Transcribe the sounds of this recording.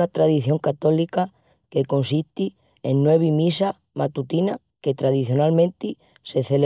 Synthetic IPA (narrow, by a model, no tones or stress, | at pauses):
at̪ɾaðiθjo̞ŋkat̪o̞lika | ke̞ko̞nsit̪i | enːweβ̞imisa | mat̪ut̪ina | ke̞t̪ɾað̞iθjo̞nalmẽnt̪i | se̞θel